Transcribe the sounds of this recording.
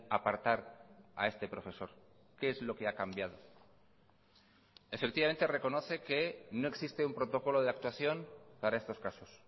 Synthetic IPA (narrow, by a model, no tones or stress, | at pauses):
apaɾt̪aɾa̰e̞st̪e̞pɾo̞fe̞so̞ɾ | keezlo̞ke̞akambjað̞o̞ | e̞fekt̪iβame̞nt̪e̞re̞ko̞no̞θe̞ke̞no̞e̞ksist̪e̞umpɾo̞t̪o̞ko̞lo̞ð̞eak̚t̪waθjo̞npaɾaest̪o̞skaso̞s